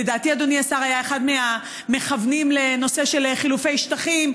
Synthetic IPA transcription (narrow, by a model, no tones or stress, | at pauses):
edaːtiad̪oniasaʁajae̞χad̪mea | me̞χavnimle̞no̞se̞ʃelχilufejʃtaχim